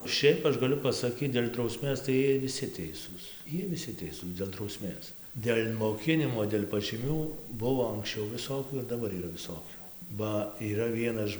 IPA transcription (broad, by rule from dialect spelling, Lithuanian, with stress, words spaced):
ˈʃʲɛɪp ˈɐʃ ɡɐˈlʲʊ pɐsɐˈkʲiːt dʲeːlʲ drɐʊˈsʲmʲeːs tɐɪ ˈjiɛj ʋʲɪˈsʲɪ ˈtʲɛɪsuːs ˈjiɛj ʋʲɪˈsʲɪ ˈtʲɛɪsuːs dʲeːlˠ drɐʊˈsʲmʲeːs dʲeːlʲ moːˈkʲɪnʲɪmoː dʲeːlʲ pɐʒʲiːˈmʲuː ˈbʊʋoː ɐŋksʲˈt͡ʃʲɛʊ ʋʲɪˈsoːkʲuː ɪr dɐˈbɐr iːˈrɐ ʋʲɪˈsoːkʲuː ˈbɐ iːˈrɐ ˈʋʲiɛnɐʃ